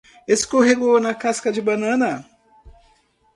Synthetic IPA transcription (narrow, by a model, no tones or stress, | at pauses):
eskoɦeɡonɐkaskɐd͡ʒɪbɐnɐ̃nɐ